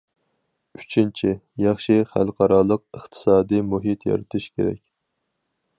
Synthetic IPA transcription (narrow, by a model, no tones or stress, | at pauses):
y̥t͡ʃʰint͡ʃʰijɑχʃiχæ̰lˠqʰɑɾɑlˠəq̚əχt̪ʰɨ̥sɑːd̪ɨjmuɦit̪ʰjɑ̰ɾɨt̪ʰuʃkʲeɾɛ̰k̚ʲ